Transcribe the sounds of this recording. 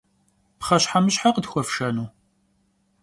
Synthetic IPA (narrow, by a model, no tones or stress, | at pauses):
pχɐɕħamɨɕħaqədxʷɔfʃɐnuː